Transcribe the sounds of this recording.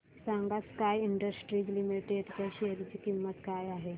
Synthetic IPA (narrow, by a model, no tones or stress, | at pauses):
sãŋɡaskajiɳɖəsʈɾiːd͡ʑlimiʈeɖt͡ɕ̪jaɕeɦɾit͡ɕiːkimːət̪kajaɦe